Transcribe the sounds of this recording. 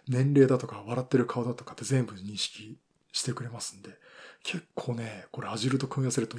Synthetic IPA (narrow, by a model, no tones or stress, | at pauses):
nẽ̞nɾe̞ːd̪at̪o̞kaβ̞aɾat̪ːe̞ɾɯ̟kʰaod̪at̪o̞kḁt̪ːe̞zẽ̞mbɯ̟ɲ̟ĩɰ̃ɕi̥kʲi | ɕi̥t̪e̞kɯ̟ɾe̞masɨ̥̃nd̪e̞ | kʰe̞kʰːo̞ːne̞ko̞ɾe̞aʑiɾɯ̟t̪o̞kɯ̃ɰ̃jaseɾɯ̟t̪o